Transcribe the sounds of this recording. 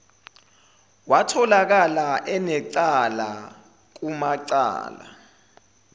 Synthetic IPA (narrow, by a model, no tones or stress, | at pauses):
watʰɔlak̬alaʔɛnɛǀala̰ | k̬umaǀa̰ːla̰